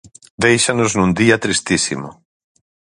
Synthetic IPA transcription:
d̪ejʃanʊznũnd̪iɐt̪ɾist̪isḭmʊ

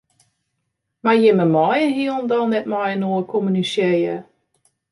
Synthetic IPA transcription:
majɪməmɔjənɦiəlˠndɔnɛtmɔjənoəkʰɔmynisjejə

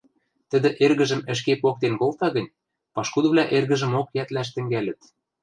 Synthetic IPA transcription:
t̪ə̆d̪ɘ̆ʔerɣɘ̆ʒɘ̆mɘ̆ʃ̬kepok̚t̪enkolt̪ɑɣɤ̆nʲ | pɑʃkud̪ɤ̆βlʲæʔerɣɘ̆ʒɘ̆mokjæt̪læʃ̬t̪ɘ̆ŋɡælʲɘ̆t̪

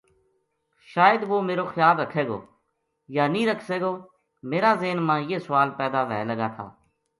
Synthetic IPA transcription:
ʃaːjəd̪ʋoːmeːɾoːxɪjaːlɾəkʰeːɡo̰ː | jaːnĩːɾəkʰseːɡoː | meːɾaːzeːnmãːjeːsʊʋaːlpɛːd̪aːʋɛ̰ːləɡaːt̪ʰa̰ː

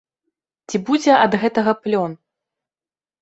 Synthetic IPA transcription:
t͡sʲibud͡zʲɛʔɐd̪ɣɛt̪ɐɣɐplʲɔn

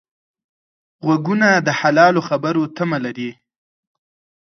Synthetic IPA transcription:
ɣwaɡunad̪əhalɑloxabəɾot̪amalaɾi

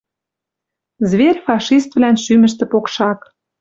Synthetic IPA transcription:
zβerʲfɑʃist̪vlænʃymə̆ʃt̪ĕpokʃɑk

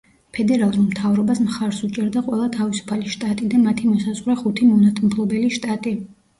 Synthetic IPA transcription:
pʰɛd̪ɛɾalˠuɾmt̪ʰavɾɔbasmχaɾsut͡ʃʼɛɾd̪aqʼwɛlˠat̪ʰavisu̥pʰaliʃt̪ʼat̪ʼid̪amat̪ʰimɔsazʁɾɛχut̪ʰimɔnat̪ʼʰmpʰlˠɔbɛliʃt̪ʼat̪ʼi

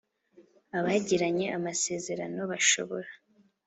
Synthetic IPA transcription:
aβaɟiɾaɲe̞ʔamase̞ːze̞ɾano̞βaʃo̞̰βo̞ɾa

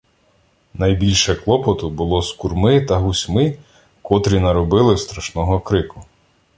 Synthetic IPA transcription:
nɐjbʲilʲʃɛklˠɔpɔt̪ʊbʊlˠɔskurmɪt̪ɐɦʊsʲmɪ | kɔt̪ɾʲinɐɾɔbɪlˠɪst̪ɾɐʃnɔɦɔkɾɪkʊ

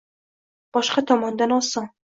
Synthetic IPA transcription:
b̥ɒʃqɑt̪ʰɒmɒnd̪anɒsɒŋ

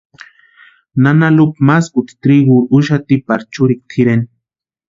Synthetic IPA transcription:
nanalup̚maskut̪i̥t̪ɾiɣuɾuʃat̪ipaɾt͡ʃuɾik̚t̪ʰiɾen

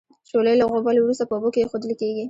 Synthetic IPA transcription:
t͡ʃoləjlaɣobɑlwɾust̪apəobokejexod̪əlkeɡi

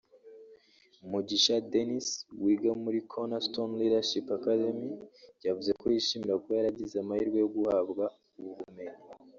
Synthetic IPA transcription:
umuɟiʃadeniswiːɡamuɾikʰonastonliɾaʃipakademijɟavuze̞ko̞jiʃimiɾakojaɾaɟizamahiɾɡwe̞joɡuhabɡa | uβuβume̞ɲi

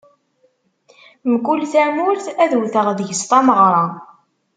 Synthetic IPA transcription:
mkulθæmulθæðuwθəʁðəʝəst̪ˤɑməʁɾˤɑ

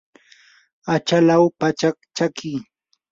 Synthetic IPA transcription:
at͡ʃalawpat͡ʃak̚t͡ʃakɪː

